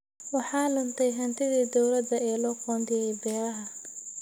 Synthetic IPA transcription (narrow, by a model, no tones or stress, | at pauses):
wɑħɑːlɐnt̪ʰɛjɦɐnt̪ʰɪðiːd̪ɔwlɐd̪ɐɛːlɔːkʰɔːnd̪ɪjɛjbɛːɾɐɦɐ